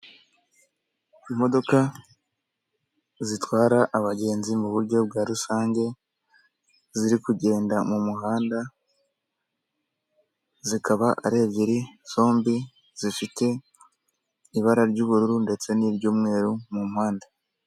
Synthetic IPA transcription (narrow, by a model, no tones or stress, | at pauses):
imo̞do̞ka | zitwaːɾaʔːβaɟe̞ːnzimuβuɾɟo̞bɡaːɾusaːɲɟe̞ | ziɾikuɟe̞ːndamumuɦaːnda | zikʰaβaʔa̰ɾe̞ːbɟiɾiz̥o̞ːmbi | z̥ifite̞ | iβaɾaɾɟuːβuɾuɾunde̞t͡se̞niːβɟuːmŋe̞ːɾumumuhaːnda